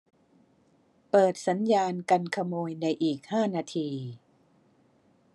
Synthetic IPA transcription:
pɤː˨˩t̪̚sa˩˦njaː˧nka˧nkʰa˧moː˧jna˧jʔiː˨˩k̚haː˥˩naː˧t̪ʰiː˧

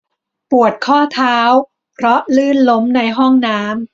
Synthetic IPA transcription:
pu˨˩ət̪̚kʰɔː˥˩t̪ʰaː˦˥w | pʰɾɔ˦˥lɯː˥˩nlo˦˥mna˧jɦɔ˥˩ŋnaː˦˥m

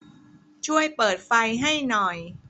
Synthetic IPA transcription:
t͡ɕʰu˥˩əjpɤː˨˩t̪̚fa˧jɦa˥˩jnɔ˨˩j

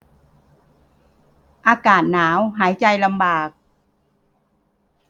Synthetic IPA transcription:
ʔaː˧kaː˨˩t̪̚naː˩˦wɦaː˩˦jt͡ɕa˧jla˧mbaː˨˩k̚

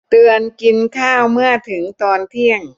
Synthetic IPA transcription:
t̪ɯ˧ənki˧nkʰaː˥˩wmɯ˥˩ət̪ʰɯ˩˦ŋt̪ɔː˧nt̪ʰi˥˩əŋ

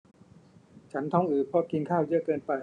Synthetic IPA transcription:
t͡ɕʰa˦˥nt̪ʰɔ˧˥ŋʔɯː˨˩pʰɔ˧˥ki˧nkʰaː˥˩wjɯ˦˥əkɤː˧npa˧

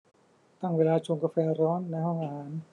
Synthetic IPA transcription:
t̪a˥˩ŋweː˧laː˧t͡ɕʰo˧ŋka˧fɛː˧ɾɔː˦˥nːa˧jhɔ˥˩ŋʔaː˧haː˩˦n

